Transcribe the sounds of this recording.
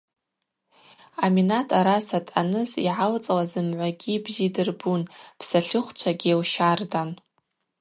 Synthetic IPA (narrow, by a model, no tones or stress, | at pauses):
aminatʰʼaɾasatʼanɨziʕalt͡sʼwazɨmʕʷaɡʲibzidɨrbunpʰsaɬɨχʷt͡ʃʷʰaɡʲiewʃardan